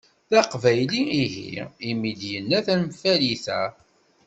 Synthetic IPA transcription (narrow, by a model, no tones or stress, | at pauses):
θæqvæjliiɦḭimid̪jənːæθænfæliθæ